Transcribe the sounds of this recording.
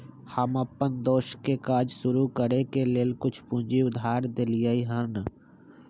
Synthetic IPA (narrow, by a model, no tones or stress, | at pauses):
həməpːənd̪oːʃkekaːd͡ʒsʊɾukəɾekeleːlkʊt͡ʃʰpũnd͡ʒiʊd̪ʱaːɾd̪ɪlijəiɦən